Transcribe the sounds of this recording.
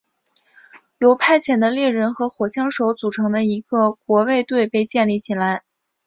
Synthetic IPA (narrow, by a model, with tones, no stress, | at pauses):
jo˧˥ʊpʰa˥˩ɪt͡ɕʰjɛ˨˩nd̪ə˦ljɛ˥˩ɻə˧˥nxɤ˧˥xwɔ˨˩ɕjɑ˥ŋʂo˧˥ʊt͡su˨˩ʈ͡ʂʰɤ˧˥ŋd̪ə˧i˧˥ɡə˧kwɔ˧˥we˥˧ɪt̪we˥˧ɪpe˥˧ɪt͡ɕjɛ˥˧nli˥˩t͡ɕʰi˨˩nla˧˥ɪ